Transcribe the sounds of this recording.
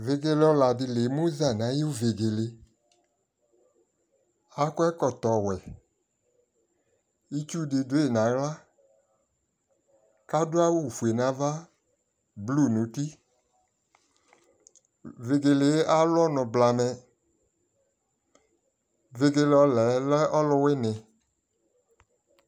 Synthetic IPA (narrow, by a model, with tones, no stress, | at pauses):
ve˨ɡe˧lɔ˧la˨di˧le˨˦mo˦za˦˨nã˨˦jo˦˨ve˨ɡe˨le˨˦ | a˨˦kɔ˦ɛ˦kɔ˨t̪ɔ˨wɛ˨ | i˦t͡ʃu˦de˧do˨˦e˨nã˨˦ɣla˦ | ka˦do˦a˦wu˦˨fu˨e˨nã˨˦va˦ | blu˦˨nũ˨˦ti˦ | ve˧ɡe˨le˨˦ʔa˦lɔ˦nɔ̃˨bla˨mɛ˧ | ve˧ɡe˧lɔ˨˦lɛ˨˦lɛ˦ɔ˦lɔ˦wɛ˦nɛ̃˨